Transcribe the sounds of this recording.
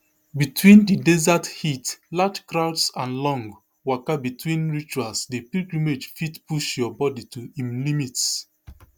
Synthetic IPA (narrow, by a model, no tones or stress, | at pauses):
bitʰwĩndidɛzathitlad͡ʒkɹaʊdsãnlɔ̃ŋɡ | wakabitʰwĩnɹit͡ʃualsdepiɡumed͡ʒfitpuʃjɔbɔditʰuĩmlimits